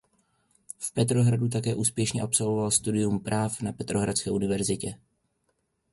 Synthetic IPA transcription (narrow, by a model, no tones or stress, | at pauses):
fpɛt̪ɾo̞ɦɾadut̪̬akɛːʔuːspjɛʃɲɛʔapso̞lvo̞valst̪udɪjumpɾaːfnapɛt̪ɾo̞ɦɾat͡skɛːʔunɪvɛɾzɪcɛ